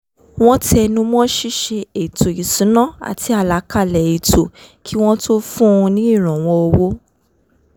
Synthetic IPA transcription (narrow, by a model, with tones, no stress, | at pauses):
w̃ɔ̃˦ti˦ɛ˧nũ˧mɔ̃˦ʃi˦˨ʃe˧e˨to˨i˨sũ˨˦nã˦˨a̰˨ti˨˧˦a˦˨la˨˦ka˦˨lɛ˨e˨tʰo˨ki˦w̃ɔ̃˦to˦fũ˦˧nĩ˦i˦˨ɾ̃ã˨w̃ɔ̃˧o˧wo˦